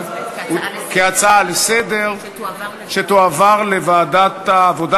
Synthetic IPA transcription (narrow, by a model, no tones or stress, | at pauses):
keat͡salesed̪eʁ | ʃet̪oavaʁlevaːd̪at̪aːvo̞d̪a